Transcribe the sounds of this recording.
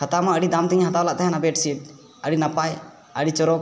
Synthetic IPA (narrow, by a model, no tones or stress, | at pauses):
hat̪amaəɽid̪amt̪ɛɲɦat̪awlaʔt̪aɦɛnabɛʈsiʈ̚ | əɽinapaj | əɽit͡ʃɔɾɔk